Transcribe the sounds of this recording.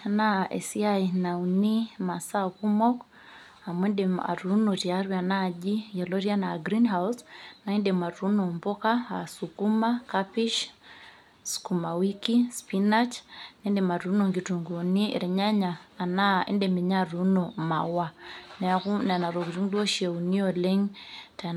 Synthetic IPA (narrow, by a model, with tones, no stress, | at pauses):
na˦ɛ̰˨si˦a˦i˨na˨uni˦ma˨sa˦ku˦mɔ˦k | a˨mwɛ˦ndɛ˨a̰˨ɾu˨˦nɔ˨ti˨a˦ɾwia˨na˦˨ʄi˦ja˨lɔ˦ɾi˦a˦na˨ɡɾi˦nɦausna˨i˦ndɛ˨ma˨ɾu˦nɔ˨mbɔ˦ka˦a˨sukuma˦kapi˦ʃ | sku˨ma˨wi˦ki˦spi˦na˦t͡ʃnɛ˦ndɛ˨ma˨ɾu˨˦nɔ˨ŋɡi˨tu˨ŋɡu˨nḭ˦˨ɾɛ˨ɲa˦ɲaː˨na˦ḛ˦ndɛ˨mi˨ɲa˦˨ɾu˨˦nɔ˨ma̰˨wa˦nɛ˨a˨ku˦n˨a˨na˨ɾɔ˨ki˨ɾu˦ŋdɔ˦ʃe˨u˨ni˦ɔ˨lɛ˦ŋta˨